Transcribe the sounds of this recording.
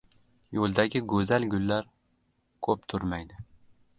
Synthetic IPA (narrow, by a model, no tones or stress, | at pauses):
jolˠd̪aɡʲɪɡɵzalɡʲʊlːaɾ | kʰɵp̚t̪ʰʊɾmajd̪ɪ